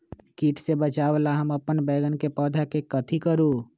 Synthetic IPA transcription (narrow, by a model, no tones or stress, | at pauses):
kiːʈsebət͡ʃaːʋlaɦɐmɐpənbɛːɡənkepɔːd̪ʱakekɐt̪ʰikəɾuː